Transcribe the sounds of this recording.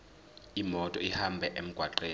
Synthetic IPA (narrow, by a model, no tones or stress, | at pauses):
imɔtʼɔihambʱɛʔem̩ɡ̥ʱwaǃeː